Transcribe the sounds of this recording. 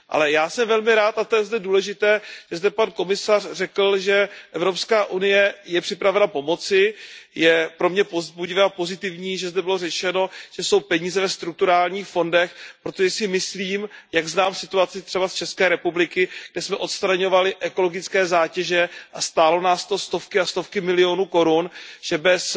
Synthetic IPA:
ʔa̰lɛjaːsɛmvɛlmɪɾaːt̪at̪ojɛzdɛduːlɛʒɪt̪ɛːʒ̥ɛzdɛpanko̞mɪsarrɛkl̩ʒɛʔɛvɾo̞pskaːʔunɪjɛjɛpr̝̥ɪpɾavɛnapo̞mo̞t͡sɪjɛpɾo̞mɲɛpozbuɟɪvɛːapo̞zɪt̪ɪvɲiːʒɛzdɛbɪlo̞rɛt͡ʃɛno̞ʒ̥ɛso̞wpɛɲiːzɛvɛst̪ɾuk̚t̪uɾaːlɲiːxfo̞ndɛxpɾo̞t̪oʒɛsɪmɪsliːmjaɡznaːmsɪt̪uat͡sɪt̪r̝̥ɛbast͡ʃɛskɛːɾɛpublɪkɪɡ̥̚dɛsmɛʔo̞t̪st̪ɾaɲo̞valɪʔɛko̞lo̞ɡɪt͡skɛːzaːcɛʒɛʔast̪aːlo̞naːst̪ost̪o̞fkɪast̪o̞fkɪmɪlɪo̞nuːko̞ɾunʒ̥ɛbɛs

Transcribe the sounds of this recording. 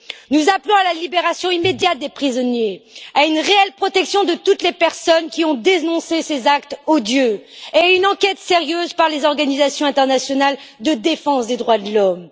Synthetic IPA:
nuzaplɔ̃alalibeʁasjɔ̃imed̪jat̪̚d̪epχizɔnjeaynʁeɛlpχɔt̪ɛksjɔ̃d̪ət̪ut̪lepɛʁsɔnkʲiɔ̃d̪enɔ̃sesezak̚t̪od̪jøeaynɑ̃kʲɛt̪seʁjøzpaʁlezɔʁɡanizasjɔ̃ɛ̃t̪ɛʁnasjɔnald̪əd̪efɑ̃sd̪ed̪ʁwad̪əlɔm

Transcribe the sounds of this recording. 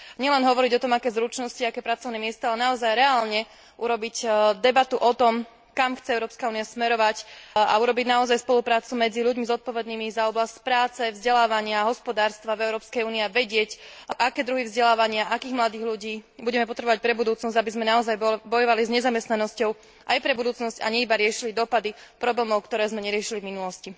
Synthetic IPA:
ɲɪɛlɛnɦɔʋɔɾiɟɔt̪ɔmakɛːzɾut͡ʃnɔsciaakɛːpɾat͡sɔʊnɛːmɪɛst̪aalɛnaɔzajɾɛaːlɲɛ | ʔuɾɔbicd̪ɛbat̪uʔɔt̪ɔm | kamxt͡sɛɛʊɾɔːpskauːniasmɛɾɔʋaca̰uɾɔbiɟnaɔzajspɔlupɾaːt͡sumɛd͡ziʎuɟmizɔt̪̚pɔʋɛd̪niːmizaɔblascpɾaːt͡sɛvzɟɛlaːʋaɲɪaɦɔspɔd̪aːɾst̪ʋavɛʊɾɔːpskɛjuːniaʋɛɟɪɛcʔakɛːd̪ɾuɦivzɟɛlaːʋaɲɪaʔakiːɣmlad̪iːɣʎuɟiːbuɟɛmɛpɔt̪ɾɛbɔʋac̚pɾɛbud̪uːt͡snɔzɟabizmɛnaɔzajbɔjɔʋalizɲɛzamɛst̪nanɔscɔʊ | ʔajpɾɛbud̪uːt͡snɔsca̰ɲɛibaɾɪɛʃilid̪ɔpad̪ipɾɔblɛːmɔʊkt̪ɔɾɛːzmɛɲɛɾɪɛʃilivminulɔsci

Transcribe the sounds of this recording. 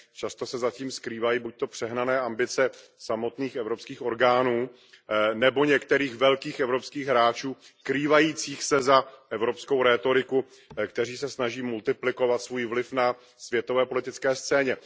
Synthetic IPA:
t͡ʃast̪o̞sɛzaciːmskɾiːvajiːbuc̚t̪o̞pr̝̥ɛɦnanɛːʔambɪt͡sɛsamo̞t̪niːxɛvɾo̞pskiːxo̞ɾɡaːnuː | nɛbo̞ɲɛkt̪ɛɾiːxvɛlkiːxʔɛvɾo̞pskiːɣɦɾaːt͡ʃuː | kɾiːvajiːt͡siːxsɛzaʔɛvɾo̞psko̞wɾɛːt̪o̞ɾɪku | kt̪ɛriːsɛsnaʒiːmult̪ɪplɪko̞vat̪svuːjvlɪfna | svjɛt̪o̞vɛːpo̞lɪt̪ɪt͡skɛːst͡sɛːɲɛ

